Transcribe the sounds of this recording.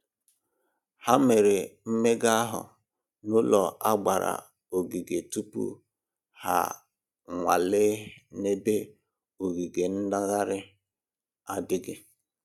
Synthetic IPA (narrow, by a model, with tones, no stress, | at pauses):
ha˦me˨ɾe˨m̩˦me˦ɡa˦a˦ɦʊ̰˨ | nʊ˦lɔ˨ʔa˦ɡ͡ba˨ɾa̰˨ | o˨ɡi˨ɡe˨tu˦pṵ˦ | ha̰˨ | ŋʷa˨lɪ˦ne˦be˦ | o˨ɡi˨ɡe˨n̩˦da˦ɣa˦ɾɪ˦ | a˦dɪ˦ɡɪ˦